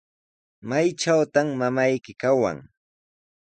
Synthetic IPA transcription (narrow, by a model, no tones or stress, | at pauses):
majt͡ʃawt̪amːamajkɪkawa̰ŋ